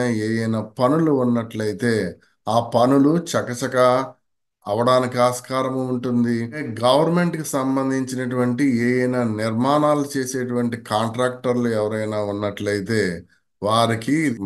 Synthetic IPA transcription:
ɐeːjɐjnɐpɐnuluːnːɐʈlɐjit̪e̞ː | aːpɐnulut͡ʃɐkɐt͡ʃɐkɐː | ʋɐɽaːnikiaːskaːɾɐmuuɳʈund̪iɡɐʋɐɾme̞ɳʈkisɐmbɐnd̪ʱiɲt͡ʃinɐʈuʋɐɳʈieːjɐjnɐniɾmaːnaːlut͡ʃeːse̞ːʈuʋɐɳʈikaːɳʈɾaːk̚ʈɐɾluɛʋɐɾɐjnaːunːɐʈlɐjit̪e̞ː | ʋaːɾiki

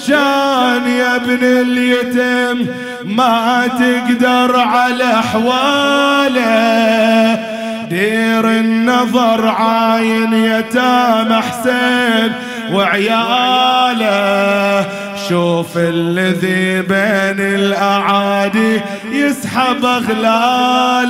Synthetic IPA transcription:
ʃaːnjabnɪljɪt̪ɪmː | at̪ɪɡd̪ɑɾˤʕalaʔħwaːla | d̪iːɾɪnːɑðˤɑɾˤʕaːjɪnjat̪amaħseːn | wɪʕja | la | ʃuːfɪlːɪðibeːnɪlʔaʕaːd̪i | jɪsħabaɣlaːl

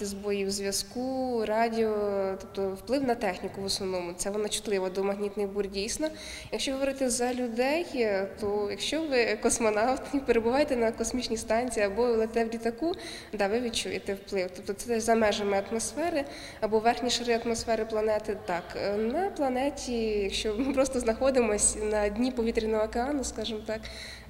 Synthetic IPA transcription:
t̪ɪzbɔjiwzʲʋʲjɐskurɑdʲiɔt̪ɔp̚t̪ɔwplˠɪwnɐt̪ɛxnʲikʊʋɔsnɔʋnɔmʊt̪sɛʋɔnɐt͡ʃʊ̥t̪lˠɪʋɐd̪ɔmɐɦnʲit̪nɪjburdʲijsʲnɔ | jɐkʃt͡ʃɔɦɔʋɔɾɪt̪ɛzɐlʲʊd̪ɛjt̪ɔjɐkʃt͡ʃɔʋɪkɔsmɔnɑwt̪nʲipeɾebʊʋɑjet̪ɛnɐkɔsmʲit͡ʃnʲist̪ɑnʲt͡sʲijːɐbɔlˠet̪ɛwlʲit̪ɐku | d̪ɑʋɪʋʲid̪t͡ʃujet̪ɛwplˠɪwt̪ɔp̚t̪ɔt̪sɛd̪ɛzɐmɛʒemɛɐt̪mɔsfɛɾɪ | ɐbɔʋɛrxnʲiʃɪɾɪɐt̪mɔsfɛɾɪplˠɐnɛt̪ɪt̪ɑknɐplˠɐnɛtʲijɐkʃt͡ʃɔmɪpɾɔst̪ɔznɐxɔd̪ɪmɔsʲnɐdʲnʲipɔʋʲit̪ɾʲinɔɦɔːkeɑnʊskɑʒɪmt̪ɑk

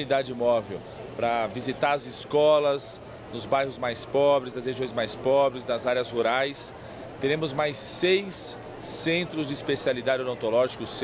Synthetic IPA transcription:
id̪ad͡ʒɪmɔvew | pɾɐvizit̪aɾɐzɪskɔlɐz | nʊzbajɦʊzmajspɔbɾɪzd̪ɐsheʒiõj̃zmajspɔbɾɪznɐzaɾjɐzhuɾajs | t̪eɾẽmʊzmajsːejsː | ẽnt̪ɾʊzd͡ʒɪispesialid̪ad͡ʒɪõnõt̪olɔʒikʊs

